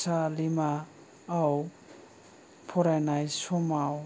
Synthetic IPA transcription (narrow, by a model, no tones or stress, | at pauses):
salimaː | w | pʰɔɾajnajsɔmaw